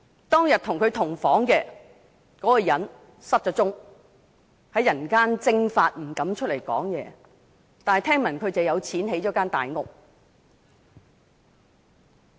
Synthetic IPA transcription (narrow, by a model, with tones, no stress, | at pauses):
t̪ɔː˥ŋjɐ˨t̚t̪ʰʊ˨˩ŋkʰɵ˨˧ɥt̪ʰʊ˨˩ŋfɔː˨˥ŋkɛː˧ | kɔː˨˥kɔ˧jɐ˨˥n | sɐ˥t̚t͡ʃɔː˨˥t͡sʊ˥ŋ | hɐ˨˥jːɐ˨˩nkaː˥nt͡sɪ˧ŋfaː˧t̚m̩˨˩kɐ˨˥mt͡ʃʰɵ˥t̚le˨˩jkɔ̰ː˨˥ŋjɛː˨˧ | t̪aː˨nhɐ˨jt̪ʰɛː˥ŋmɐ˨˩nkʰɵ˨˧ɥt͡sɐ˨wjɐ˨˧wt͡sʰiː˨˥nhe˨˥jɔː˨˧˥kaː˥nt̪a̰ː˨jŋʊ˨k̚